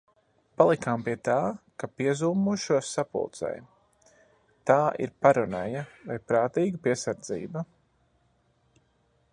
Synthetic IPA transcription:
palˠikampiɛt̪aːkapiɛzuːmuʃuɔsːapṵlˠt̪sɛ̰j | t̪aːḭɾpaɾɔnɛjavajpɾaːt̪iːɡapiɛsaɾd̪zḭːba

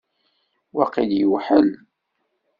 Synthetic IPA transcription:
wɑqiljəwħəl

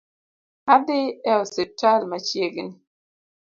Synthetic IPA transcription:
adeɛɔsetalmat͡ʃjeɡini

